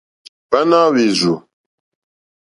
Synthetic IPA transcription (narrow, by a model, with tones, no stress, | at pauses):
pa˦na˦wi˨zu˨